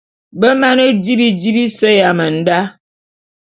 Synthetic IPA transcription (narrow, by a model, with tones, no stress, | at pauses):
bə˦ma˦nə˦di˦bi˦d͡ʒi˦bi˦sə˦ja˨mə˨n̩˦da˦